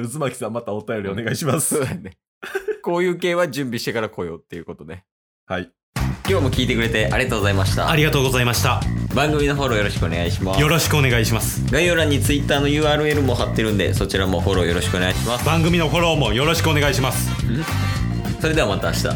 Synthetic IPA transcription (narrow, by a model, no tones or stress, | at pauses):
ɯzɨmakʲi̥sãmːat̪aot̪ajo̞ɾʲione̞ɡaiɕimasone | ko̞ːjɯ̟ːke̞ːβad͡ʑɨ̃mbʲiɕi̥t̪e̞kaɾako̞jo̞̰ːt̪ːe̞jɯ̟ko̞t̪o̞d̪e̞ | hai | kʲo̞ːmo̞kʲiːt̪e̞kɯ̟ɾe̞t̪e̞ʔaɾʲiɡat̪oːɡozaimaɕi̥t̪a̰aɾʲiɡat̪o̞ːɡozaimaɕi̥t̪abãŋɡɯ̟mʲino̞ɦo̞ɾo̞ːjo̞ɾo̞ɕi̥kɯo̞ne̞ɡaiɕimaːjo̞ɾo̞ɕi̥kɯone̞ɡaiɕimasɨ̥ɡaijoɾãɲ̟ːit͡sɨit̪ːaːno̞jɯ̟ːaːɾɯ̟e̞ɾɯ̟mo̞ɦat̪ːe̞ɾɯ̟̃nd̪e̞̰so̞t͡ɕiɾamo̞ho̞ɾo̞ːjo̞ɾo̞ɕi̥kɯo̞neɡaiɕimasb̥ãŋɡɯmʲino̞ɦo̞ɾo̞ːmo̞jo̞ɾo̞ɕi̥kɯo̞ne̞ɡaiɕimasɨ̥ | so̞ɾed̪e̞amat̪aːɕi̥t̪a̰